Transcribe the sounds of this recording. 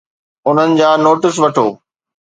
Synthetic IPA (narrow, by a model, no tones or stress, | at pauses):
ʊn̤ənɪ̆d͡ʑaːnoːʈɪs̬ʋɐʈʰoː